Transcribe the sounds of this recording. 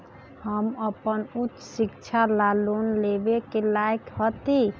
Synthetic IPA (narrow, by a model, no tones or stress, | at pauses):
həməpənutːsikt͡ʃʰalalonlebekelajkhət̪i